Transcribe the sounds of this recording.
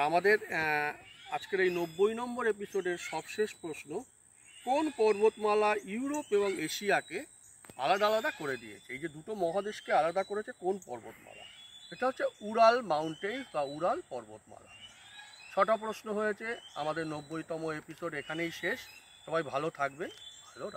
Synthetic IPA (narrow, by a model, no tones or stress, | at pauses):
amad̪eɾ | ad͡ʑkeɾejnobːojnɔmboɾepisoɖeɾʃɔbʃeʃpɾoʃno | konpɔɾbot̪malajuuɾopeboŋeʃiake | a̰lad̪alad̪akoɾed̪ḭjḛt͡ɕʰeejd͡ʑed̪uʈomɔɦad̪eʃkealad̪akoɾet͡ɕʰekonpɔɾbo̰t̪ma̰la̰ʃeʈaɦotːʰeuɾalmawɳʈenbauɾalpɔɾbo̰t̪ma̰la̰ | ʃʰɔʈap̬ɾosnoɦojet͡ɕʰea̰mad̪eɾnobːojt̪ɔmoepisoɖekʰanejʃeʃ | ʃɔbajbʱalot̪ʰak̚bebʱalo